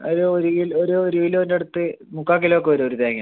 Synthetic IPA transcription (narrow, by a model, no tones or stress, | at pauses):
ɐðuoɾuiloɾuːɾuʋilondeɽut̪ːɨmukːaːk̬ːiloːkːeoɾuoɾud̪eɐŋɐ